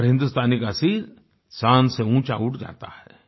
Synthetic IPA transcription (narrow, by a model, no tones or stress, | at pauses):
ɾɦɪ̃nd̪ust̪ʰaːnikasiːɾ | sãːnseũːt͡ʃaʊʈʰd͡ʒa̰ːt̪a̰hɛ